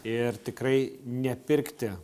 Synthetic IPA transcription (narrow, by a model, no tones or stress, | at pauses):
ɪrt̪ʲɪkɾɐɪnʲɛpʲɪɾʲkt̪ʲɪ